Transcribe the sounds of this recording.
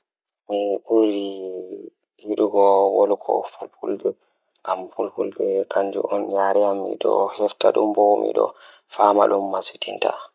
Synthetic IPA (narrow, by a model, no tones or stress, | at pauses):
miʔuɾi | hiɗuɡɔwolukʰɔ̰fupulbɛ | ɡampulpulbɛkʰaɲd͡ʒṵʔɔnjaɾɛjamːḭɗɔhɛftaɗumbomḭɗɔ̰ | famaɗumːasi̥tinta